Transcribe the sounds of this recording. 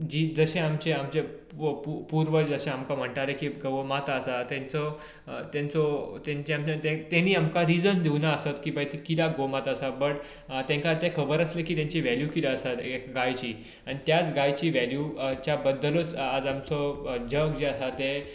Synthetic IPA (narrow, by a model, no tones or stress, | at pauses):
d͡ʑiːd͡zəɕẽamt͡ɕeamt͡ɕe | pupuɾʋəd͡ʑd͡zəɕẽamkam̤əɳʈaɾekiːɡəmat̪əsat̪ẽnt͡sɔ | t̪ãnt͡sɔt̪ẽɲt͡ɕeamt͡ɕat̪ẽt̪eniːamkaɾid͡zənd̪iwnaəsat̪kiːbəjt̪ikilaɡomat̪əsabəʈ | t̪ẽŋkat̪ekʰəbəɾəslekiːt̪jãɲt͡ɕiʋæljukilaəsat̪ekɡajt͡ɕiː | aɽ̃it̪jat͡sɡajt͡ɕiːʋæljut͡ɕjabəd̪ːələt͡sad͡zamt͡sɔd͡ʑəkd͡ʑeəsat̪e